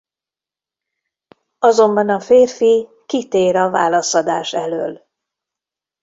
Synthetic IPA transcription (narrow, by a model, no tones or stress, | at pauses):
ɒzo̞mbɒnɒfeːrfi | kit̪eːɾɒva̰ːlɒsɒd̪aːʃɛlø̰ːl